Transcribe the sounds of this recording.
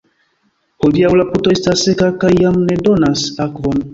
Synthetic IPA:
hodiawlaputoestasːekakajːamnedonasakvon

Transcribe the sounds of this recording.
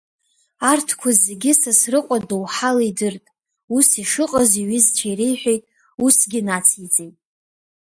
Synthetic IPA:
artʰkʷʰazeɡʲɪsasrɨqʷʼadowħalidɨrtʼ | usiʂɨqʼəziɥɪzt͡ʃʰajrejħʷᶣejtʼ | usɡʲɪnat͡sʰit͡sʼejtʼ

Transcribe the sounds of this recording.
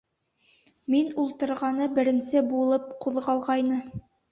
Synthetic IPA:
minulˠt̪ɤ̆ɾʁɑnɤbɘ̆ɾɘ̆nsɘbulˠɤp̚quðʁɑlˠʁɑjnɤ

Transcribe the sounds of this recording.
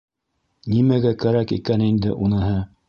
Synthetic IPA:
nimæɡækæɾækḭkænind̪ɘ̰ʔunɤ̆ɦɤ

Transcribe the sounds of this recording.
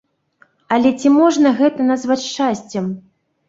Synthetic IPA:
ɐlʲɛt͡sʲimɔʐnɐɣɛt̪ɐnazvat͡sʲʂt͡ʂasʲt͡sʲɛm

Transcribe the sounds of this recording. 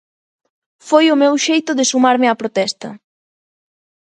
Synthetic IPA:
fojʊmewʃejt̪ʊðɪsumaɾmɪapɾot̪ɛst̪ɐ

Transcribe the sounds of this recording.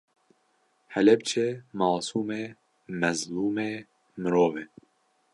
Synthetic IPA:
hɛlɛbt͡ʃʰemɑːsuːme | mɛzluːmeː | mɨɾoːveː

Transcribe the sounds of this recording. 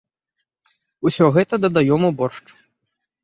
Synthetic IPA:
usʲɔɣɛt̪ɐd̪ɐd̪ajɔmɐbɔrʂt͡ʂ

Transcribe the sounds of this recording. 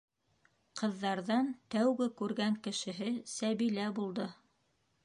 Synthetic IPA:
qʰɤ̆ðːɑɾðɑnt̪æwɡɘkʉɾɡæŋkɘ̆ʃɘ̆ɦɘsæβilæbulˠd̪ɤ

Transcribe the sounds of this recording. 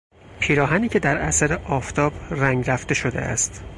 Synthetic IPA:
pʰiːɾɒːɦæniːcʰe̞d̪æɾæ̰sæɾeʔɒːft̪ʰɒːb̥ɾæŋɡɾæft̪e̞ʃo̞d̪e̞̰ʔæ̰st̪

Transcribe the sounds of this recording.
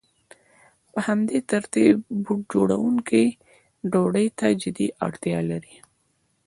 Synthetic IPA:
pəhamd̪et̪aɾt̪ibbud͡ʒoɽawuŋkʰij | ɖoɽəjt̪ad͡ʒɪd̪iʔɑ̰ɽt̪jɑlaɾi

